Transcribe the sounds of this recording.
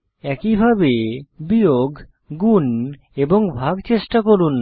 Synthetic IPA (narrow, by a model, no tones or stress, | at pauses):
ɛkibʱabebioɡʱ | ɡun | eboŋbʱaɡt͡ɕeʃʈakoɾunː